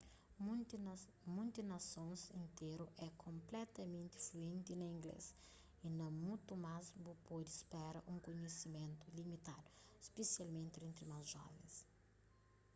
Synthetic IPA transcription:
mũnt̪inɐsõnzĩnt̪eɾuʔɛkʰõmplɛt̪ɐmẽnt̪ifluẽnt̪inɐĩŋɡlḛs | inɐ̃mũt̪umazbupod̪ispɛɾɐʔũŋkoɲesimẽnt̪ulimit̪ad̪ʊi̥spesialmẽnt̪iẽnt̪ɾimɐzʒɔ̰vḛ̃s

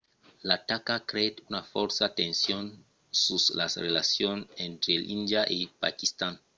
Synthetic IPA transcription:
lat̪akakɾet̪unafɔɾsat̪ẽnsjon | susla̰srelasjonent̪ɾelʔind̪jaʔepa̰kist̪an

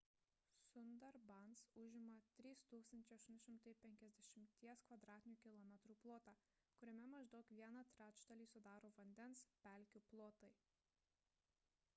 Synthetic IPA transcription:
sʊnd̪ɐɾbɑnsʊʒʲɪmɐt̪ʲɾʲiːst̪uːkst̪ɐnʲt͡ʃʲɛɪɐʃt̪ʊnʲʃʲɪmt̪ɐɪpʲɛŋʲkʲɛzʲd̪ʲɛʃʲɪmʲt̪ʲiɛskʋɐd̪ɾɑːt̪ʲɪnʲuːkʲɪlˠɔmʲɛt̪ɾuːplˠoːt̪ɑː | kʊɾʲɛmʲɛmɐʒd̪ɒʊkʋʲiɛnɑt̪ʲɾʲæːt͡ʃt̪ɐlʲiːsʊd̪ɑːɾoːʋɐnʲd̪ʲɛnspʲæˑlʲkʲuplˠoːt̪ɐɪ

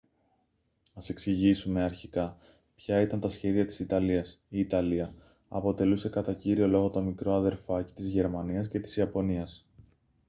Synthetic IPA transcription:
ɐse̞ksiʝisume̞ɐɾçikɐ | pçɐit̪ɐnt̪ɐsçe̞ðiɐt̪i̥sit̪ɐliɐsiːt̪ɐliɐ | ɐpo̞t̪e̞luse̞kɐt̪ɐciɾio̞lo̞ɣo̞t̪o̞mikɾo̞ɐðe̞ɾfɐci̥t̪izʝe̞ɾmɐniɐsce̞t̪i̥siɐpo̞niɐs

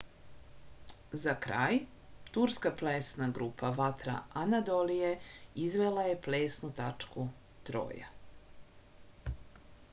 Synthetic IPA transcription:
zakɾa̰ːj | t̪uɾskaplesnaɡɾupʰaʋat̪ɾa̰anad̪olijeizʋelaje̞pleːsnut̪at͡ʂku | t̪ɾo̰ːja̰

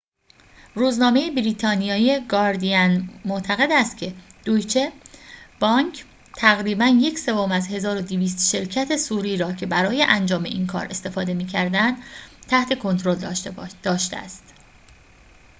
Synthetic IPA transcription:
ruːznɒːme̞jebɾiːt̪ʰɒːnijɒːieɡɒːɾd̪iænmot̪ʰæɣe̞d̪æst̪̚cʰe̞d̪̥ujt͡ʃʰeb̥ɒːŋkʰ | t̪ʰæɣɾiːbænje̞cse̞vomæzhe̞zɒːɾo̞d̪iviːst̪ʃe̞ɾcʰæt̪ʰe̞suːɾiːɾɒːcʰe̞bæɾɒːje̞ʔænd͡ʒɒːme̞̰ʔiːnkʰɒ̰ːɾe̞st̪e̞fɒːd̪e̞miːcʰæɾd̪ænd̪̥t̪ʰæht̪ʰe̞kʰo̞nt̪ʰɾo̞ld̪̥ɒːʃt̪eæ̰st̪

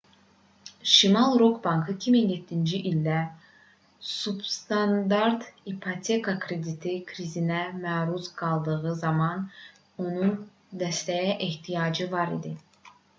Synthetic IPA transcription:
ʃimɑlˠɾokbɑŋkʰɯicʰiminjet̪ʰːind͡ʒiʔilʲd̪æ | subst̪ʰand̪aɾt̪ipʰot̪ʰe̞kʰakʰɾed̪it̪ʰikʰɾizinɛmæːɾusɡɑlˠd̪ɯʁɯzɑmɑn | o̞nun | d̪æst̪ɛjɛʔiht̪ʰijɑːd͡ʒɯvɑɾḭd̪i

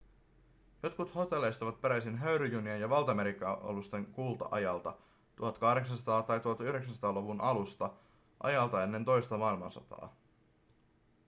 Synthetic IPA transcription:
jo̞t̪kut̪ho̞t̪e̞lːejst̪ɑʋɑt̪̚peɾæjsinɦøɥɾyjyniejɑʋɑlt̪ɑme̞ɾikːˑɑo̰lust̪e̞ŋkuːlˠt̪ɑ̰ʔɑ̰jɑlt̪ɑ | t̪uɦɑt̪kɑhdɾeksɑnsɑt̪ɑːt̪ɑjt̪uhɑt̪yhɾe̞ksænsɑt̪ɑːloʋunʔɑlust̪ɑ | ʔɑ̰jɑlt̪ɑe̞nːe̞nt̪o̞jst̪ɑmɑilmɑ̰nsɑ̰t̪ɑ̰ː

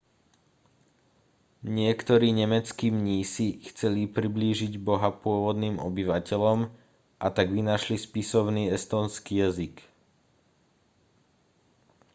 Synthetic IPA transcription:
ɲɪɛkt̪ɔɾiːɲɛmɛt͡skiːmɲiːsixt͡sɛlipɾibliːʒiɟbɔɦapʊɔʋɔd̪niːmɔ̰biʋacɛlɔm | ʔat̪aɡʋinaʃlispisɔʊniːɛst̪ɔːnskiːjazik

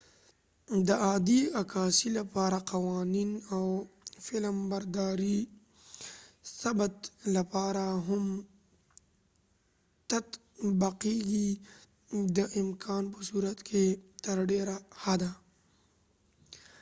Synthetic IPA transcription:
d̪əaːd̪iɐkaːsilɐpaːɾaqɐwaːniːnawfɪləmbɐɾd̪aːɾi | sɐbt̪lɐpaːɾaɦʊm | t̪ɐt̪ | bɐqiɡi | d̪əʔɪmkʰaːnpəsuːɾət̪kʰet̪ɐɾɖeːɾahad̪a

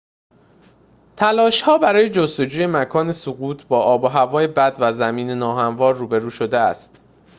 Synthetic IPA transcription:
t̪ʰælɒːʃhɒːbæɾɒːje̞d͡ʒo̞st̪o̞d͡ʒuːje̞mækʰɒːne̞soɣuːt̪ʰbɒːʔɒːboɦævɒːje̞bæd̪væzæmiːne̞nɒːɦæmvɒːɾːuːbe̞ɾuːʃo̞d̪eæst̪

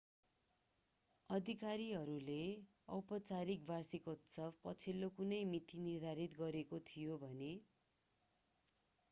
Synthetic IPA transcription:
ʌd̪ʱikaɾiɦʌɾule | ʌ̰wpʌt͡saɾik̚barsikot̪sʌbpʌt͡sʰilːokunʌjmit̪inird̪ʱaɾit̪ɡʌɾekot̪ʰijobʱʌne

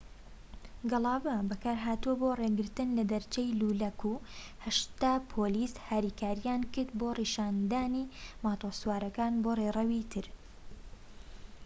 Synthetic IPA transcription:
ɡɨlˠɑːbɐbɐkaːɾɦaːt̪uwɐboːreɡɨɾt̪ɨnlɐd̪ɐɾt͡ʃejluːlɐkuː | hɐʃt̪aːpʰoːliːshaːɾiːkʰaːɾijaːnkɨɾd̪̚boːriːʃaːnd̪aːniːmaːt̪osuwaːɾɐkaːnborerɐwit̪ʰɨɾ

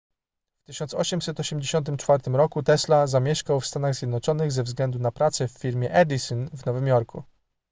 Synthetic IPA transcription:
ft̪ɘɕɔnt̪sɔɕɛmsɛt̪ɔɕɛmd͡ʑeɕɔnt̪̬ɘmt͡ʂfaɾt̪ɘmɾɔkut̪ɛslazamʲjɛʂkawfst̪anaɣzʲjɛd̪nɔt͡ʂɔnɘɣzɛvzɡlɛnd̪unapɾat̪sɛfːʲiɾmʲjɛʔɛd̪ʲisɔnvnɔvɘmjɔɾkʰṵ

